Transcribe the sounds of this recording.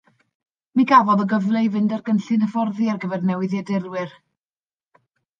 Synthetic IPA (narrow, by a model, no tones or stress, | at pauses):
miɡavɔðɔɡəvlˠejvɨndarɡənɬɨnəvɔrðiarɡəvɛrnɛwɪðjɛdɪrwɨr